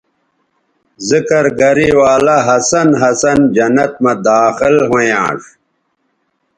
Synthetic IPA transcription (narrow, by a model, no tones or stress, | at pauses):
zikɐɾɡɐɾiwaːlaɦɐsɐnɦɐsɐnd͡ʑɐnɐt̪̚mɐd̪aːxilɦojã̰ːʂ